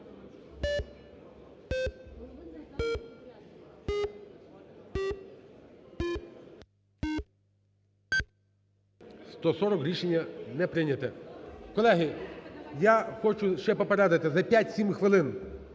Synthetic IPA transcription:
st̪ɔsɔɾɔkɾʲiʃenʲːɐnɛpɾɪnʲɐt̪ɛkɔlˠɛɦijaxɔt͡ʃʊʃt͡ʃɛpɔpɐɾad̪ɐt̪ɪzɐpʲjatʲsʲimxʋɪlˠɪn

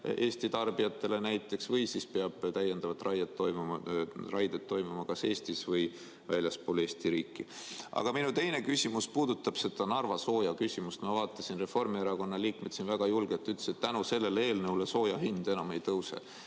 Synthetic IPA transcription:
e̞ːsʲt̪it̪ɑrb̥ijɑt̪ːe̞le̞næjt̪ːˑe̞ksvɤjsispe̞ɑb̥t̪æjːe̞nd̪̥ɑvɑt̪ːˑrɑjɑt̪ːo̞jmumɑrʔɑjd̪et̪ːo̞jmumɑkɑse̞ːst̪isvɤj | vælʲjɑspoːle̞ːst̪iɾiːkˑːiʔɑ̰ɡ̥ɑminut̪e̞jne̞kysʲimuspuːd̪ut̪ːˑɑb̥se̞t̪ɑnɑrvɑso̞ːjɑkysʲimust̪mɑvɑːt̪ːˑɑsinre̞fo̞rmieɾɑko̞nːɑliːkme̞t̪sinvæɡ̥ɑjulɡ̥et̪ːˑyt̪le̥set̪t̪ːænuse̞lːe̞lee̞ːlnewleso̞ːjɑhind̪̥e̞nɑme̞jt̪ɤwsḛ

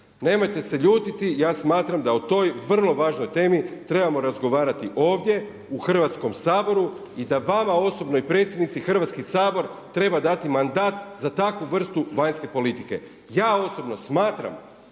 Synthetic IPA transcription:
ne̞mo̞jt̪e̞se̞ʎuːt̪it̪ijaːsmaːt̪ɾamd̪aut̪o̞jʋr̩lˠo̞ʋaːʒnojt̪e̞ːmit̪ɾe̞bamo̞ɾazɡo̞ʋaːɾat̪iʔo̞ːʋd̪je̞ | uxr̩ʋat̪sko̞msaːbo̞ɾu | id̪aʋamao̞so̞bno̞ipɾe̞t̪sʲjed̪nit̪sixr̩ʋat̪skisaːbo̞ɾt̪ɾe̞bad̪at̪imand̪aːt̪zat̪akʋuʋr̩st̪uʋaɲske̞po̞lit̪ike̞̰ | jaːo̞so̞bno̞smaːt̪ɾa̰m

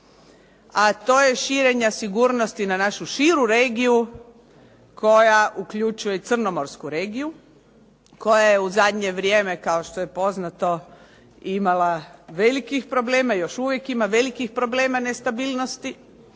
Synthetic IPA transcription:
at̪o̞ːje̞ʃiɾe̞ɲasiɡuːɾnost̪inanaʃuʃiɾuɾe̞ːɡiu | kʰo̞jaʔukʎut͡ʃuje̞it̪sr̩no̞moɾskuɾe̞ːɡiju | ko̞jajeuzad̪ɲe̞ʋɾje̞ːme̞kao̞ʃt̪o̞je̞po̞znat̪o̞ | imalaʋe̞likixpɾo̞ble̞ːmajo̞ʃuʋje̞kimaʋe̞likixpɾo̞ble̞ːmane̞st̪abiːlno̞st̪i

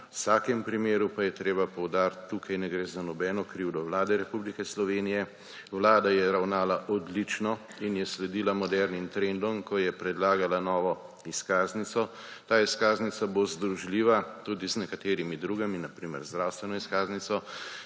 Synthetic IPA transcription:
wsaːkɛmpɾimeːɾupajɛt̪ɾeːbapɔwd̪aːɾt̪ːukʰajnɛɡɾeːzanɔbɛːnɔkɾiwd̪ɔʋlaːd̪ɛɾɛpublikɛslɔʋeːnijɛ | wlaːd̪ajɛɾawnaːlaʔɔd̪lit͡ʃnɔ | injɛslɛd̪iːlamɔd̪ɛɾnint̪ɾɛnd̪ɔmkɔjɛpɾɛd̪laːɡalanɔːʋɔ | iskaːznit̪sɔ | t̪aːiskaːznitsabozd̪ɾuʒliːʋat̪ud̪iznɛkat̪eːɾimid̪ɾuːɡaminapɾiːmɛ̰ɾzd̪ɾawst̪ʋɛnɔiskaːznit̪sɔ

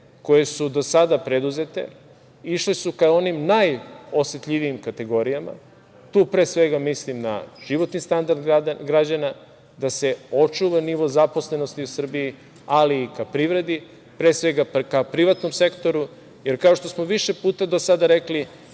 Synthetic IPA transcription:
ko̞je̞sud̪o̞sad̪apɾed̪uze̞t̪e̞̰ | iʃlesukao̞nimnajosjet̪ʎʲiʋiimkat̪e̞ɡo̞ɾijama̰ | t̪uːpɾe̞ːsʋe̞ɡamislimna̰ʒ̥iʋo̞t̪nist̪and̪aɾd̪aɡɾad͡ʑana | d̪ase̞o̞t͡ʃuʋaniʋo̞zapo̞sle̞no̞st̪iusr̩biji | aliːkapɾiʋɾe̞d̪i | pɾe̞ːsʋe̞ɡakapɾiʋat̪no̞mse̞kt̪o̞ɾu | je̞ɾkao̞ʃt̪o̞smo̞ʋiʃe̞puːt̪ad̪osad̪aɾe̞kli

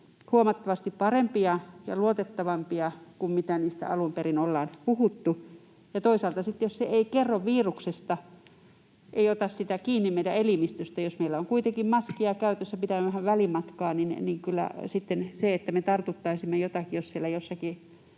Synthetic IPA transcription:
huomɑt̪ːɑʋɑst̪ippɑrempiɑjɑ̰luot̪et̪ːɑʋɑmpiɑkummit̪æniːst̪æ̰ɑlumperinolːɑːnpuhut̪ːu | jɑt̪oisɑlt̪ɑsit̪ːejosseeikerːoʋʋiːruksest̪ɑ | ʔeiot̪ɑssit̪ækiːnːimmeidæelimist̪yst̪æjosmeilːæoŋkuit̪eŋkimmɑskiɑkæyt̪øsːæpit̪æmæʋæhæʋʋælimɑt̪kɑːninniŋkylːæ̰sit̪ːenseet̪ːæmet̪ɑrt̪ut̪ːɑisimːejot̪ɑkijossielːˑæjosːɑki

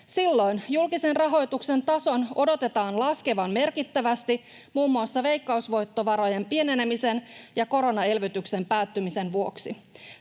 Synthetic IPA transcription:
silːo̞jnjulkise̞nrɑɦo̞jt̪ukse̞nt̪ɑso̞no̞do̞t̪e̞t̪ɑːnlɑske̞ʋɑmme̞rkit̪ːæʋæst̪i | muːmːuɑsːɑʋe̞jkːɑusʋo̞jt̪ːo̞ʋɑɾo̞je̞mpie̞ne̞nemise̞njɑko̞ɾo̞nɑe̞lʋyt̪ykse̞mpæːt̪ːymise̞nʋuo̞ksi

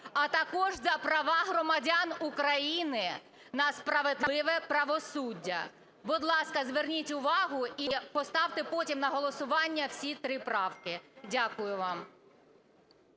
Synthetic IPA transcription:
ɐt̪ɐkɔʒzɐpɾɐʋɑɦɾɔmɐdʲanʊkɾɐjinɪ | nɐspɾɐʋed̪lˠɪʋɛpɾɐʋɔsudʲːɐ̰ | bʊd̪lˠɑskɐzʋernʲitʲʊʋɑɦʊipɔst̪ɑwt̪ɪpɔtʲimnɐɦɔlˠɔsʊʋɑnʲːɐwsʲit̪ɾɪpɾɑwkɪdʲakʊjʊʋɑm

